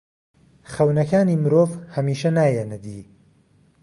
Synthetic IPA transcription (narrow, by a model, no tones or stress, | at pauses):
xɐwnɐkaːniːmɨɾoːvhɐmiːʃɐnaːjenɨd̪iː